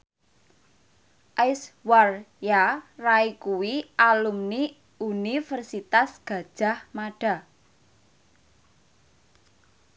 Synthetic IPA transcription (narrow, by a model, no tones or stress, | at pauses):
ʔaswarjaraikuwiʔalumni | ʔunifərsit̪asɡ̥ä̤d̥ʒ̥a̤hmaɖ̥a̤